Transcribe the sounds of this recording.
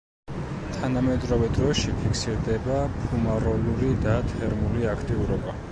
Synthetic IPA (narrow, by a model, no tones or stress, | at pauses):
t̪ʰanamɛd̪ɾɔvɛd̪ɾɔʃipʰikʰsiɾd̪ɛbapʰumaɾɔluɾid̪at̪ʰɛɾmuliakʰt̪ʼiuɾɔba